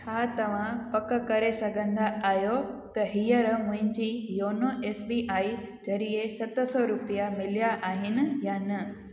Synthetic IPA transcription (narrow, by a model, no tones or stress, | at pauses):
t͡ɕʰaːt̪ɐʋ̤ãpɐk̆kɐɾesɐɡʱə̃nd̪aʔaːɦjot̪ɐɦijəɾʊ̃ɦɪ̃ɲd͡ʑiːjoːnoeːsbiːʔaːi | d͡ʑɐɾiesɐt̪ʊ̆sɔɾʊpijamɪlijaʔaːɦɪnɪ̆jaːnɐ